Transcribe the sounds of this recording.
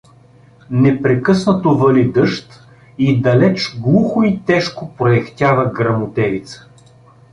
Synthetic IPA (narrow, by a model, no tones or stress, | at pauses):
nɛpɾɛkɤsnət̪ovəlid̪ɤʃt̪ | id̪ɐlɛt͡ʃɡlˠuxʊit̪ɛʃkopɾoɛxt̪ʲavəɡɾɐmʊt̪ɛvit̪sə̥